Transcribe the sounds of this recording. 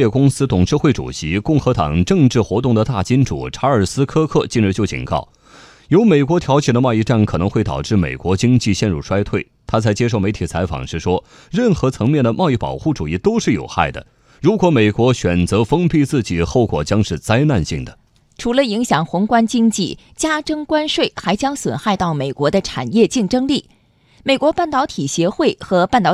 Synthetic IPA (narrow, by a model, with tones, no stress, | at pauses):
ɛ˥˩kʊ˥ŋsɹ̩˥t̪ʊ˨˩ŋʈ͡ʂɻ̩˥˧xwe˥˩ɪʈ͡ʂṵ˨˩ɕi˧˥kʊ˥˩ŋxɤ˧˥t̪ɑ̰˨˩ŋʈ͡ʂɤ˥˧ŋʈ͡ʂɻ̩˥˩xwɔ˧˥t̪ʊ˥˩ŋd̪ə˩t̪a˥˩t͡ɕi˥nʈ͡ʂṵ˨˩ʈ͡ʂʰa˧˥ə˞˨˩sɹ̩˥kʰɤ˥kʰɤ˥˩t͡ɕi˥˧nɻ̩˧˥t͡ɕjo˥˩ʊt͡ɕḭ˨˩nkɑ̰˥˩ʊ | jo˧˥ʊme˨˩ɪkwɔ˧˥t̪ʰjɑ˧˥ʊt͡ɕjɛ˨˩d̪ə˦mɑ˥˧ʊi˥˧ʈ͡ʂa˥˩nkʰɤ˨˩nɤ˧˥ŋxwe˥˩ɪt̪ɑ̰˨˩ʊʈ͡ʂɻ̩˥˩mḛ˨˩ɪkwɔ˧˥t͡ɕi˥ŋt͡ɕi˥˧ɕjɛ˥˧nɻu˥˩ʂwa˥ɪt̪ʰwe˥˩ɪt̪ʰa˥t͡sʰa˧˥ɪt͡ɕjɛ˥ʂo˥˩ʊme˧˥ɪt̪ʰi˨˩t͡sʰa˧˥ɪfɑ̰˨˩ŋʂɻ̩˥˩ʂwɔ˥ | ɻə˥˩nxɤ˧˥t͡sʰɤ˧˥ŋmjɛ˥˩nd̪ə˩mʔɑ˥˧ʊi˥˩pɑ̰˨˩ʊxu˥˩ʈ͡ʂu˨˩i˥˩t̪o˥ʊʂɻ̩˥˩jo̰˨˩ʊxa̰˥˩ɪd̪ə̰˩ | ɻu˧˥kwɔ˧˥me˨˩ɪkwɔ˧˥ɕɥɛ˨˩nt͡sɤ˧˥fɤ˥ŋpi˥˧t͡sɹ̩˥˩t͡ɕi˨˩xo˥˩ʊkwɔ̰˨˩t͡ɕjɑ˥ŋʂɻ̩˥˩t͡sa˥ɪna˥˧nɕḭ˥˩ŋd̪ə˩ | ʈ͡ʂʰu˧˥lə˧i˧˥ŋɕjɑ˨˩ŋxʊ˧˥ŋkwa˥nt͡ɕi˥ŋt͡ɕi˥˩ | t͡ɕja˥ʈ͡ʂɤ˥ŋkwa˥nʂwe˥˩ɪxa˧˥ɪt͡ɕjɑ˥ŋswə˨˩nxa˥˧ɪt̪ɑ˥˩ʊme˨˩ɪkwɔ˧˥d̪ə˧ʈ͡ʂʰa̰˨˩njɛ˥˧t͡ɕi˥˩ŋʈ͡ʂɤ˥ŋli˥˩ | me˨˩ɪkwɔ˧˥pa˥˩nt̪ɑ˧˥ʊt̪ʰi˨˩ɕjɛ˧˥xwe˥˩ɪxɤ˧˥pa˥˩nt̪ɑ˧˥